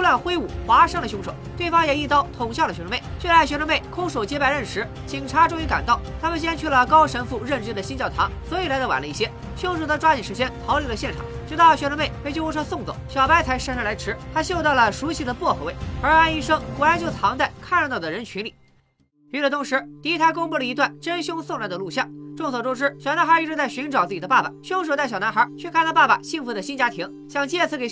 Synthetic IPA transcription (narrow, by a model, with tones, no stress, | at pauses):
la˥˩nxwe˥ɪu˨˩xwa˧˥ʂɤ˥ŋldə˨ɕjʊ˥ŋʂo˨˩˦ʊt̪we˥˩fɑ˥ŋjɛ˨˩i˥˩t̪ɑ˥˩ʊt̪ʰʊ˨˩ŋɕjɑ˥˩ʊdə˩ɕɥme˥˩ɪt͡ɕɥɛ˥˧˩la˧˥˩ɕɥʂo˧˥ŋme˥˩ɪkʰʊ˥ŋʂo˨˩ʊt͡ɕjɛ˧˥pa˧ɪɻə˥˩nʂɻ̩˧˥ | t͡ɕi˨˩ŋʈ͡ʂʰa˧˥ʈ͡ʂʊ˥˧ŋy˧˥ka̰˨˩nt̪o˥˩ʊt̪ʰa˥mə˨nɕ̬jɛ˥nt͡ɕʰy˥˩lə˩kɑ˥ʊʂə˧˥nfu˥˧ɻə˥˩nʈ͡ʂɻ̩˥d̪ə˨ɕi˥nt͡ɕjɑ˥˩ʊt̪ʰɑ˧˥ŋswɔ˧˥i˨˩la˧˥ɪ˧˥˩wa̰˨˩nlə˦i˥˩ɕjɛ˥ | ɕʊ˥ŋʂ̬o˨˩d̪ə˧ʈ͡ʂwa˥t͡ɕi˨˩ʂɻ̩˧˥t͡ɕjɛ˥nt̪ʰɑ˧˥ʊli˧˥lə˧ɕjɛ˥˩nʈ͡ʂʰɑ̰˨˩˦ŋt͡ɕɛ˧˥t̪ɑ˥˩lɕɥɛ˥ʂme˥˩ɪpe˥˧t͡ɕjo˥˧u˥ʈ͡ʂʰɔ˥sʊ˥˧ŋt͡swo̰˨˩˦ʊɕjɑ˨˩ʊpa˥ɪt͡sʰa˧˥ɪʂə˥˧nʂa˥˩la˧˥ʈ͡ʂʰɻ̩˧˥t̪ʰa˥ɕjo˥˧t̪ɑ˥˩ʊlə˩ʂu˧˥ɕi˥˩d̪ə˨pwɔ˥˩xʰwe˥˩ɪə˞˧˥a˥˧ni˥˩ʂɤ˥ŋxwɔ˧˥ɻa˧˥ɪt͡ɕjo˥˩ʊt͡sʰɑ˧˥ŋt͡sa˥˩ɪkʰa˥˧nɻt̪ɑ˥˩d̪ə˩ɻə˧˥nt͡ɕʰy˧˥nli˨˩˦ | pi˧˥ʈ͡ʂə˥˩t̪ʰʊ˧˥ŋʂɻ̩˧˥t̪i˧˥t̪ʰa˥kʊ˥ŋpu˥˩ə˩i˧˥t̪wa˥˩nʈ͡ʂə˥nɕjʊ˥ŋsʊ˥˧ŋla˧˥nd̪ə˧lu˥˧ɕjɑ˥˩ŋʈ͡ʂʊ˥˩ŋswɔ˨˩ʈ͡ʂʊ˥ʂɻ̩˥ɕjɑ˨˩ʊna˧˥nxə˧˥˧ʈ͡ʂɻ̩˥˧t͡sa˥˩ɪɕy˧˥nʈ͡ʂʊt͡sɹ̩˥˩t͡ɕi˨˩ə˦pa˥˩ba̰˩ɕjʊ˥ŋʂ̬t͡sa˥˩ɪɕɑ˨˩ʊn˧˥xə˞˧˥t͡ɕʰɥɛ˥˧kʰa˥ɪlə˧pa˥˩ba̰˨˩ɕi˥˧ŋfu˧˩d̪ə˨ɕi˥nt͡ɕja˥t̪ʰi˧˥ŋ | ɕjɑ˥˧ŋt͡ɕjɛ˥˧˩t͡sʰɹ̩˧˥ke˨˩